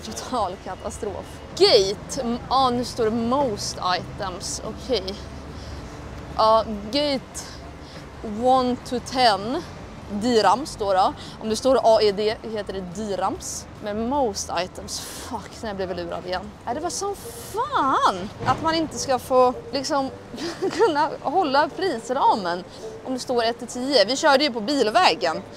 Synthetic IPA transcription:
t̪ʰʊt̪ʰɑːlkʰat̪ʰast̪ɾo̰ːf | ɡ̥ɛjt̪ɔnʉʂt̪oːɖɛmoʊst̪a̰jt̪əmsɔ̰kʰɛj | ʔɑːɡɛjt̪ | wɔnt̪ʰɵt̪ʰɛn | d̪yːɾamst̪oːɖɛ | ʔɔmd̪ɛst̪oːɾʔɑːɪd̪eːheːt̪əɖɛd̪iːɾams | mɛnmoʊst̪a̰jt̪ʰəmsfakːnɛjablɪvɪlʉ̟ːɾa̰d̪ɪjɛnːɛd̪ɛvaʂɔmfaːnʔat̪manɪnt̪əskafoːlɪksɔm | kʰɵnːahɔlːapʰɾiːsəɾɑːmən | ʔɔmd̪ɛst̪oːɾɛt̪ʰːɪt̪ʰiːəvɪɕœːɖəjɵpɔbiːlvɛːɡən

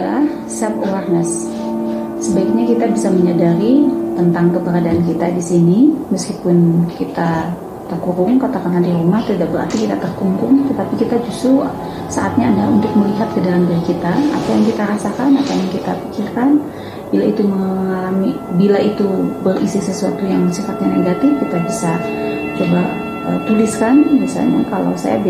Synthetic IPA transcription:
ah | sap̚uwarnəsː | əbaik̚ɲakit̪abisaməɲadaɾit̪ənt̪aŋkəpəɾadaʔankit̪adisiniməskipʊnkit̪a | t̪ərkuɾʊŋkat̪akanandiɾumaht̪idaʔbəɾa̰rt̪ikit̪at̪ərkumpʊŋt̪ət̪apikit̪ad͡ʒust̪ɾʊ | sa̰ʔat̪̚ɲaːdaunt̪ʊk̚məliɦat̪̚kədalamdiɾikit̪aa̰pajaŋkit̪aɾasakanapajaŋkit̪apikɪrkan | bilait̪uməŋaŋŋalamibilait̪ubərisisəsuat̪ujaŋsifat̪̚ɲaneɡat̪ɪfkit̪abisa | t͡ʃoba | ə̰t̪uliskanbisa̰lɲa̰kalo̰sa̰ja̰b

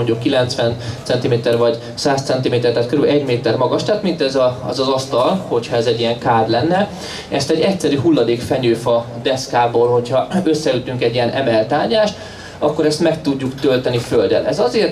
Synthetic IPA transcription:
oɲɟukːilɛnt̪sʋɛnt̪sɛnt̪imeːt̪ɛrvɒɟ | saːst̪sɛnt̪imeːt̪ɛrt̪aːt̪køɾylɛɟmeːt̪ɛrmɒɡɒʃt̪aːt̪mint̪ɛzɒɛzɒzɒst̪ɒlho̞cʰhɒɛzɛɟːijɛŋkaːd̪lɛnːɛ | ɛst̪ɛɟːɛcsɛɾyɦulːɒd̪eːkfɛɲøːfɒd̪ɛskaːboːlho̞cʰhɒøsːɛyt̪yŋkɛɟːijɛnʔɛ̰mɛlt̪aːɲaːʃt̪ | ɒkːoɾɛst̪mɛkt̪uɟːukt̪ølt̪ɛniføld̪ɛ̰lɛzɒzeːrt̪

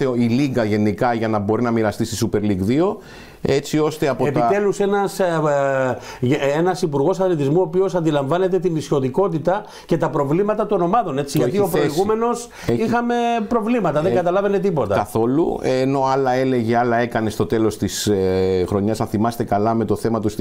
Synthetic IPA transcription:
eiliɡɐʝe̞nikɐʝɐnɐbo̞ɾinɐmiɾɐst̪ist̪isupe̞ɾliɡðio̞ | e̞t͡sio̞st̪e̞ɐpoept̪it̪e̞luse̞nɐs | enɐsipuɾɣo̞sɐθlit̪izmuo̞ːpio̞sɐnd̪ilɐɱvɐne̞t̪e̞t̪inisço̞ðiko̞t̪it̪ɐ | ce̞t̪ɐpɾo̞vlimɐt̪ɐt̪uono̞mɐðo̞ne̞t͡siʝɐt̪iopɾoiɣume̞no̞s | ixɐme̞pɾo̞vlimɐt̪ɐðeŋɡɐt̪ɐlɐve̞ne̞t̪ipo̞t̪ɐkɐθo̞lṵeno̞ɐlɐe̞le̞ʝeɐlɐekɐne̞st̪o̞t̪e̞lo̞st̪isxɾo̞ɲɐznɐθimɐse̥t̪e̞kɐlɐme̞t̪o̞θe̞mɐt̪ust̪

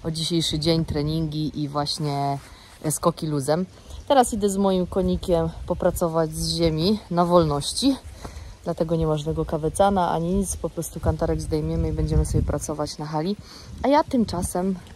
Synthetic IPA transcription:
ʔɔd͡ʑiɕejʂɘd͡ʑeɲt̪ɾɛɲiŋɡʲiʔivwaɕɲɛ | skɔkʲiluzɛm | t̪ɛɾasid̪ɛzmɔjimkɔɲikʲɛmpɔpɾat̪sɔvad͡ʑzʑemʲinavɔlnɔɕt͡ɕid̪̥lat̪ɛɡɔɲɛvaʐnɛɡɔkavɛt̪sanaʔa̰ɲiit̪spɔpɾɔst̪ukant̪aɾɛɡzd̪ɛjmʲjɛmɘibɛɲd͡ʑɛmɘsɔbʲjɛpɾat̪sɔvat͡ɕnaxalʲi | ʔajat̪ɘmt͡ʂasɛm

